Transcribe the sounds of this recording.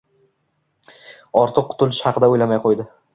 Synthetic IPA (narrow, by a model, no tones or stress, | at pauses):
ɒɾt̪ʰɨqːʰʊ̥t̪ʰʊlɪʃhɑqʰɨd̪aojlamajqʰojd̪ɪ